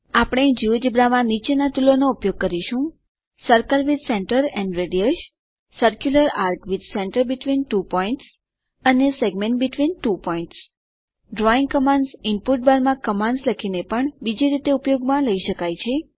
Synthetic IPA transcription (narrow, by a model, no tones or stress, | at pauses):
apɽ̃ẽd͡ʒiʋd͡ʒəbɾamãnit͡ʃenat̪ulonoupjoɡ̚kəɾiʃũ | səɾkəlʋid̪ʱsɛ̃ɳʈəɾɛ̃ɳɖɾeɖiəʃ | səɾkjuləɾaɾʈʋid̪sɛ̃ɳʈəɾbɪʈʋinʈupɔiɳʈs | əneseɡmẽɳʈ̚bɪʈʋinʈupɔĩɳʈs | ɖɾɔĩŋɡkəmãnɖsɪnpuʈ̚baɾmãkəmãɳɖsləkʰinepəɳbid͡ʒiɾit̪eupjoɡmãləiʃəkajt͡ʃʰe